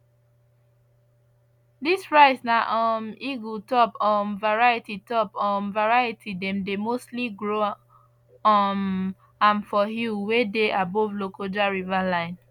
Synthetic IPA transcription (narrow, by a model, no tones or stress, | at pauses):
dispɹaɪsnaʔɔmiɡutɔpɔ̃mvaɹajititɔpɔ̃mvaɹajitʰidɛ̃mdemostliɡɹo | ɔm | ãnfɔɦuwedeʔabɔvlokod͡ʒaɹivalãɪ̃n